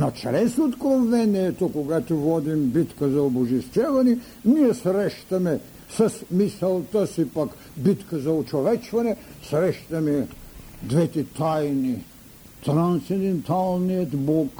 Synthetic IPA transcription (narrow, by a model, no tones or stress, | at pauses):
nat͡ʃɾɛsot̪kɾomvɛnɛːt̪okoɡat̪ovɔd̪imbit̪kazaobuʒist̪ɛvani | nijɛsɾɛʃt̪amɛ | sɐsmisɛlˠt̪asipak | bit̪kazaot͡ʃovɛt͡ʃvanɛsɾɛʃt̪amɛd̪vɛt̪ɛt̪ajni | t̪ɾant̪sɛd̪ɛnt̪alˠnijot̪bɔk